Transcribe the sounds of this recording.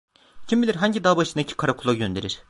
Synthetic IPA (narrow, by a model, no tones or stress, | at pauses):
cʰimbilʲiɾɦaɲɟid̪aːbaʃɯnd̪acʰi̥kʰaɾakʰulˠaɟø̞nd̪e̞ɾiɾ̥